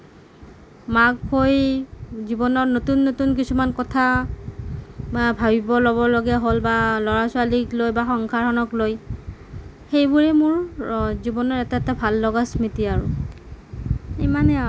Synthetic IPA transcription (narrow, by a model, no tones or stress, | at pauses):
makhojzibɔnɔɹnotunːotunkisumankɔtʰa | bʱabibɔlɔβɔloɡɛɦolbalɔɹasʊaliklojbaxɔŋkʰaɹɔnɔkloj | xejbʊɹɛmʊɹzibɔnɔɹɛtaɛtabʱalːɔɡasmitiaɹʊ̰ | emanɛ